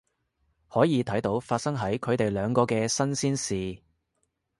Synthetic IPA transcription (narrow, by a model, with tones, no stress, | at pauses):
hɔː˨˥jiː˨˧t̪ʰɐ˨˥jt̪o˨˥wfaː˧t̚sɐ˥ŋɦɐ˨˥jkʰɵ˨˧ɥt̪e˨jlœː˨˧ŋkɔː˧kɛː˧sɐ˥nsiː˥nsiː˨